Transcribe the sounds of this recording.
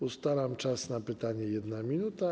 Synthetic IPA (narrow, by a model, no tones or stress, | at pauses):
ust̪alamt͡ʂasnapɘt̪aɲɛjɛd̪namʲinut̪a